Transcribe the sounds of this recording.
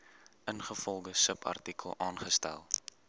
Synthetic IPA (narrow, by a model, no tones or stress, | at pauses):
ʔənχəfɔlˠɡəsəpʰɐ̰rtikəlˠʔɑːnχəstæ̰lˠ